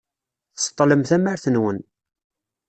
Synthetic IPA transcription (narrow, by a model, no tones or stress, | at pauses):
θə̥sˤt̪ˤːləmθæməɾθənwən